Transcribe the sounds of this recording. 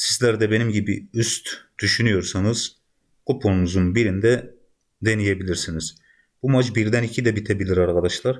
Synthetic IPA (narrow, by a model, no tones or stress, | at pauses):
sizlʲæɾd̪ɛbe̞nimɟibiyst̪d̪̥yʃynyjo̞ɾsanɯz̥ | kupʰoɾunuzunbiɾind̪ɛ | d̪e̞nijebilʲiɾsiniz̥ | b̥umad͡ʒbiɾd̪ænicʰid̪ɛbit̪ʰebilʲiɾaɾkʰad̪aʃlˠaɾ